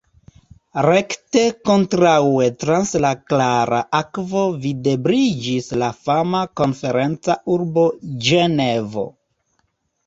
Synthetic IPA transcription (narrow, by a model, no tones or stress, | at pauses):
ɾe̞kte̞ko̞ntɾawe̞tɾanslaklaɾa̰ʔakvo̞vide̞bɾid͡ʒislafamako̞nfe̞ɾe̞nt͡sauɾbo̞d͡ʒene̞vo̞̰